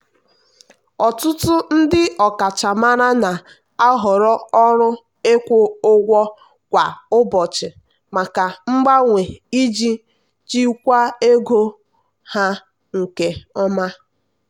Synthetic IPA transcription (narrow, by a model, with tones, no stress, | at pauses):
ɔ˨tʊ˦tʊ˦n̩˦dɪ˦ɔ˨ka˨t͡ʃa˨ma˦ɾa˦na˨ | a˦ɦɔ˨ɾɔ˦ɔ˦ɾʊ˦ | e˦kʷʊ˦ʊ˦ɡʷɔ˦ | kʷa˨ʊ˦bɔ˨t͡ʃɪ˨ | ma˨ka˨ŋ͡m̩˦ɡ͡ba˦ŋʷe˨i˦d͡ʒi˦ | t͡ʃi˦kʷa˦e˦ɡo˦ | ha˦ | ŋ̩˨ke˦ɔ˦ma˦